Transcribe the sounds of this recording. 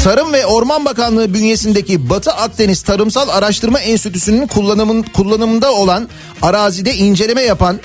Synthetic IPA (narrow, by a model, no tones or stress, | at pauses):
t̪ʰaɾɯmvɛo̞ɾmanbakanlˠɯːbynje̞sind̪ecibat̪ʰɯʔak̚t̪ʰe̞nist̪ʰaɾɯmsalˠaɾaʃt̪ʰɯɾmainst̪ʰit̪ʰysynynkʰːkʰulˠːanɯmɯnd̪ao̞lˠan | aɾaːzid̪ɛind͡ʒe̞lʲe̞mɛjapʰan